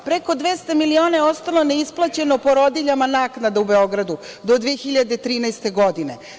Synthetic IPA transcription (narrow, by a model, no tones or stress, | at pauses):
pɾeko̞d̪ʋest̪amilio̞ːneeo̞st̪alo̞ne̞isplˠat͡ɕe̞nopo̞ɾo̞d̪iʎamanaːknad̪aubeo̞ɡɾad̪ud̪o̞d̪ʋeexiʎad̪e̞t̪ɾiːnajst̪e̞ɡo̞d̪ine̞